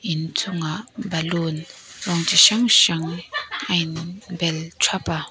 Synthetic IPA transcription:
intʰuŋabalonlɔŋd͡ʒʰiʃaŋʃaŋajnbɛltʰapa

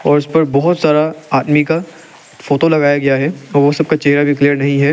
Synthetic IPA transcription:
ɔːɾʊspɐɾbɔɦʊt̪saːɾaaːd̪mika | foːʈolɐɡaːjaɡɐjaɦɛɔːɾʋosɐb̚kat͡ʃeɦɾabʱikliːəɾnɐɦĩɦɛː

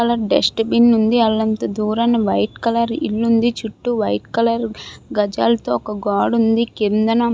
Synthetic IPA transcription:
ɐlɐɾɖḛsʈbinːund̪iɐlːɐnt̪ɐd̪uːɾɐnɐʋɐjʈkɐlɐɾilːund̪it͡ʃuʈːuʋɐjʈkɐlɐɾɡɐd͡ʒa̰ːlɐt̪oːɔkɐɡaːɖund̪ikend̪ɐnɐm

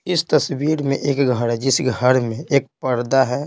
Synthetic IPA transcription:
ɪst̪əswiːɾmḛ̃ʔeːkɡʱəɾɦɛd͡ʒɪsɡʱəɾmẽeːk̚pəɾd̪aɦɛ

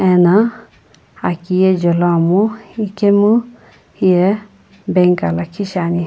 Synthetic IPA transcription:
ɛna | akijed͡ʒɔlɔmuikemu | hije | beŋkalakʰiʃani

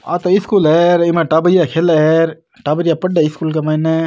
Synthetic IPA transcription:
a̰ːt̪oɪskuleːɾimẽʈabəɾjakʰelɾ | ʈaːbəɾijapəɖeɪskuːlkemane

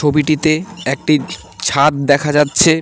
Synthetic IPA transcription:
obiʈit̪eek̚ʈi | t͡ɕʰat̪̚d̪ɛkʰad͡ʑatːɕʰe

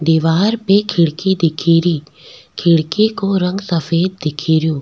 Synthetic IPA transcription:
d̪iːʋaːɾpekʰɪɽkid̪ɪkʰiːɾiː | kʰɪɽkikoɾə̃ŋɡsəfeːd̪̚ːɪkʰiːɾijõː

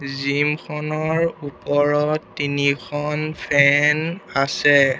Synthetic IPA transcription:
zimkʰɔnɔɹupɔɹɔtːinikʰɔnpʰɛnasɛ

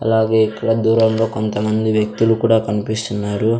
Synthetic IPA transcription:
ɐlaːɡe̞ːikːɐɽɐd̪uːɾɐmlo̞ːkont̪ɐmɐnd̪iʋjɐk̚t̪ulukuːɽaːkɐnipist̪unːaːɾu

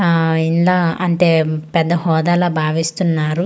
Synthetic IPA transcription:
inlaɐnt̪eːpɛd̪ːɐhɔːd̪aːlɐːbʱaːʋist̪unːaːɾu

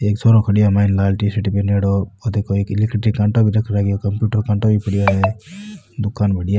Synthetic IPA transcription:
eːksʰoːɾokʰɐɽijamaːinlaːlʈisiʈipeneːɽoɔd̪ekoeːkilikʈɾikːaɳʈobʱiɾɐkʰɾaːɡijokɐmpjuːʈəɾkaɳʈobipɐɽijoːde | d̪ʊkːaːnbɐɽija

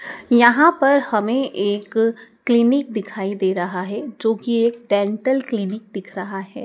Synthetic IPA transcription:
jɐɦãpɐɾhɐmẽʔeːkː | lɪnɪk̚d̪ɪkʰaːid̪eːɾɐɦaɦɛd͡ʒoːkieːk̚ɖɛ̃ːɳʈəlklɪnɪk̚d̪ɪkʰɾɐɦaɦɛː

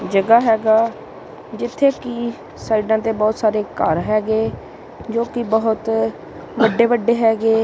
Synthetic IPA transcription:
d͡ʒəɡaːɦɛːɡaː | d͡ʒɪt̪ʰːeːkiː | saːiːɖãːt̪eːbɔːt̪saːɾeːkəɾɦɛːɡeː | d͡ʒoːkibəɦʊt̪ | ʋəɖeːʋəɖːeːɦɛːɡeː

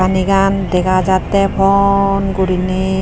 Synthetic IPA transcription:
anikandɛkʰazat̪ɛpʰɔnkoɾine

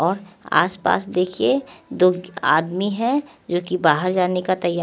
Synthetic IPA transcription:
ɔːɾa̰ːspa̰ːsd̪eːkʰied̪oːa̰ːd̪miɦɛ̃ | d͡ʒoːkibaːɦəɾd͡ʒaːnekat̪ɐja

